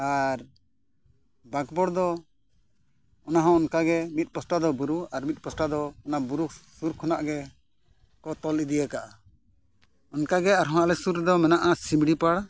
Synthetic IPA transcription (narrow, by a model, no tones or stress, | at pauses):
aɾ | baɡbɔɽd̪ɔ | ɔnaɦɔ̃ɔnkaɡɛmit̪̚pɔsʈad̪ɔbuɾuaɾmit̪̚pɔsʈad̪ɔːnabuɾusuɾkʰɔnaʔɡɛ | kɔt̪ɔlid̪ijakaʔa | ɔnkaɡɛaɾɦɔ̃alɛsuɾd̪ɔmɛnaʔasimɽipaɽ